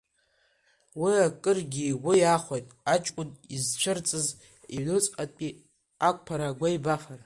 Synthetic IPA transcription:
wiakʼɨrɡʲiwijaχʷajtʼat͡ʃʼkʷʼʊnizt͡ʃʷʰɨrt͡sʼɨz | ilɨt͡sʼqʼapʼi | ak̚ʷʰʼpʰaɾaɡʷaibafar

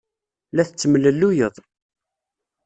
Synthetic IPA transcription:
læθət͡sːəmləlːujəðˤ

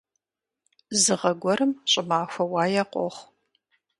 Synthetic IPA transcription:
zɨʁɐɡʷɔɾɨmɕʼɪmaːxʷɐwɑːjɐqʷʼɔ̰χʷ

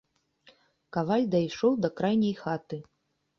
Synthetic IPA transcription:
kavalʲd̪ɐjʂɔwd̪ɐkɾajnʲɐjxat̪ɨ

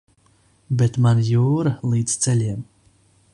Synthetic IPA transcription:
bet̪manjuːɾalˠiːd̪z̥t̪sɛlʲiɛm

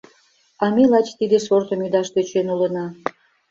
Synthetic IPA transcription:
ɑmelɑt͡ɕt̪id̪eʃort̪omyd̪ɑʃt̪øt͡ɕenulə̆nɑ

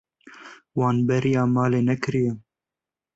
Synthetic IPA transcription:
wɑːnbɛɾijɑːmɑːleːnɛkɨɾijɛ

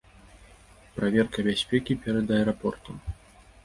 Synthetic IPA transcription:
pɾavʲɛrkɐbʲasʲpʲɛkʲipʲɛɾɐd̪ɐɛɾapɔrt̪u

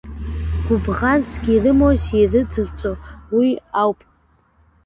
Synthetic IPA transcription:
ɡ̥ʷʊbʁansɡʲirɨmosirɨtʰɨrt͡sʷʼowiawpʼ

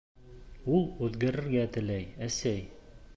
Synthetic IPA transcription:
ulˠʉðɡæɾɘ̆ɾɡæt̪ɘ̆læjæsæj

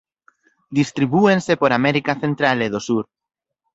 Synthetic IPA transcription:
d̪ist̪ɾiβuensepoɾamɛɾikaθent̪ɾaleðosuɾ

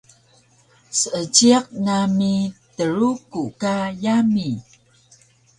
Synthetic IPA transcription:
səʔət͡ɕiaq̚namitəɾukukajami

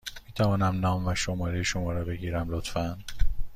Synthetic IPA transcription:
miːt̪ʰævɒːnæmnɒːmvæʃomɒːɾejeʃomɒːɾɒːbe̞ɡiːɾæmlot̪fæn

